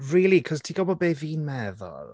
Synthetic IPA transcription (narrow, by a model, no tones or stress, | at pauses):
ɹiːlikʰɔz̥tʰiɡɔbɔbevinmɛːðɔ̰ɹ